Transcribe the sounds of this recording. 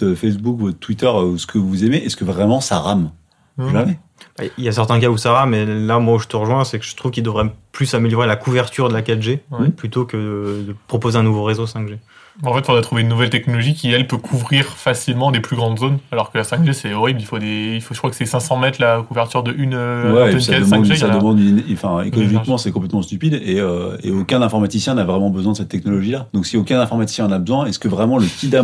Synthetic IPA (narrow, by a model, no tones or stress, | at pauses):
fɛs̬bukvɔt̪t̪wit̪œʁsə̥kʰəvuzemeʔɛskəvʁɛmɑ̃saʁam | uave | b̥a̰iljas̬ɛʁt̪ɛ̃k̬ausaʁamːɛlamwauʒət̪əʁəʒwɛ̃sɛkəʒ̥ə̥t̪χuvkʲild̪əvʁɛplysameljɔʁelakuvɛʁt̪ʰyʁd̪əlakat̪ʒeɛplyt̪okəd̪əd̪əpχɔpozeɛ̃nuvoʁezosɛ̃kʒe | ɑ̃fɛt̪ɔ̃d̪at̪χuveynːuvɛlt̪ɛknɔlɔʒikʲiɛlpøkʰuvʁiʁfasilmɑ̃d̪eplyɡʁɑ̃d̪zonalɔʁkəlasɛ̃ɡʒesɛɔʁiblilfod̪eifoʒə̥kχwakəsɛsɛ̃sɑ̃mɛt̪lakuvɛʁt̪yʁd̪əʔynøwɛnsakad̪əsɛ̃d̪ʒesaəmɑ̃d̪yñfɛ̃ḛkɔlɔʒikmɑ̃sɛkɔ̃p̬lɛt̪mɑ̃st̪ypid̪eøḛokʲɛ̃nɛ̃fɔʁmat̪isjɛ̃navʁɛmɑ̃bəzwɛ̃d̪əsɛt̪ːɛknɔlɔʒilad̪̥ɔ̃ksiokʲɛ̃nɛ̃fɔʁmat̪i̥sjɛ̃nabəzwɛ̃ɛsə̥kəvʁɛmɑ̃ləkʲid̪a